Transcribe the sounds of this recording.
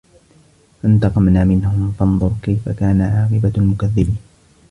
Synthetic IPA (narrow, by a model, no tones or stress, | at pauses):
fant̪ɑqɑmnaːmɪnhʊmfɑnðˤʊɾkajfa̰kaːnaʕɑːqɨbalmʊkaðːɪbiːn